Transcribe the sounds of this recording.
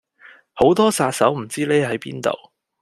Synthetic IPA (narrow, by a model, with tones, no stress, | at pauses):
ho˨˥wt̪ɔː˥saː˧t̚sɐ˨˥wm̩˨˩t͡siː˥leː˥ɦɐ˨˥jpḭː˥nt̪o̰˨w